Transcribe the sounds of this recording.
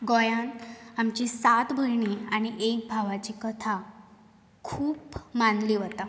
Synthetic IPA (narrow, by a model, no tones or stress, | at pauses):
ɡojanamt͡ɕisat̪bʱəɾɳiːañiʔek̚bʱaʋat͡ɕikət̪ʰa | kʰuːpmanliːʋət̪a